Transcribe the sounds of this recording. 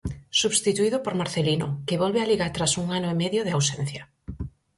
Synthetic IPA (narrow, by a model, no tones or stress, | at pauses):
suβst̪it̪uiðʊpoɾmaɾθelinʊkeβɔlβealiɣat̪ɾasuŋanʊemɛðjoðeawsɛn̟θja